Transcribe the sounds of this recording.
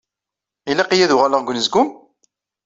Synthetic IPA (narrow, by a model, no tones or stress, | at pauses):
ilæqijæðʊʁaləʁɡʷʊnəzɡʊm